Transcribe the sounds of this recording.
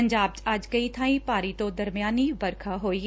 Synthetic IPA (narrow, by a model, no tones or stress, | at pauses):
əɲd͡ʒaːb̚t͡ʃɐd͡ʒkəiːt̪ʰãːĩːpaːɾiːt̪õd̪əɾmɪjaːniːʋəɾkʰaːɦoːiː